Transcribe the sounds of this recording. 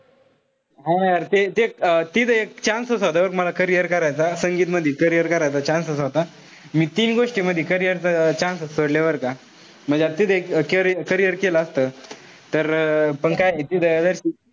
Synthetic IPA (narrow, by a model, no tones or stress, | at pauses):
ɦãjjaɾt̪et̪et̪it̪ek̚t͡ɕãnsəsɦod̪aʋəɾkməlakəɾijəɾkəɾajt͡sasəŋɡiːt̪məd̪ʱːjekəɾijəɾkəɾajt͡sat͡ɕãnsəsɦot̪a | miːt̪iːnɡoʂʈiməd̪ʱːekəɾijəɾt͡sat͡ɕãnsəsəɽljaʋəɾka | m̤əɳd͡zeat̪id̪ekkəɾəkəɾijəɾkelaːst̪əː | t̪əɾpəɳkajet̪id̪əjad̪əɾɕiː